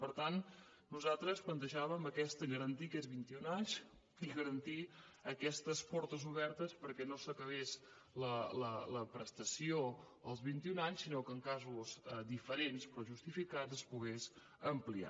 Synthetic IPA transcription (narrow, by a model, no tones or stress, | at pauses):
pəɾt̪an | nuzalˠt̪ɾəsplənt̪əʒaβəməkɛst̪əɣəɾənt̪iəkɛzβint̪iunaɲz | iɣəɾənt̪iəkɛst̪əspɔɾt̪əzuβɛɾt̪əspəɾkɛnosəkəβ̞es | lələləpɾəst̪əsio | əlˠzβint̪iunaɲsinokəːŋkazuzəd̪ifəɾenspɾɔʒust̪ifikad͡zəspuɣes | əmplia̰